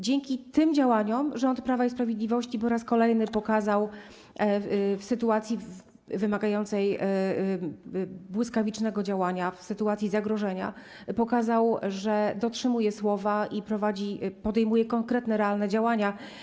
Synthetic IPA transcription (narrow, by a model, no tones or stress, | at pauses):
d͡ʑeŋkʲit̪ɘmd͡ʑawaɲɔmʐɔnt̪pɾavaispɾavʲjed̪lʲivɔɕt͡ɕipɔɾaskɔlɛjnɘpɔkazaw | fsɘt̪uat̪sʲji | vɘmaɡajɔnt̪sɛj | bwɘskavʲit͡ʂnɛɡɔd͡ʑawaɲafsɘt̪uat̪sʲizaɡɾɔʐɛɲa̰ | pɔkazawʐɛd̪ɔtʂɘmujɛswɔvaipɾɔvad͡ʑipɔd̪ɛjmujɛkɔŋkɾɛt̪nɛɾɛalnɛd͡ʑawaɲa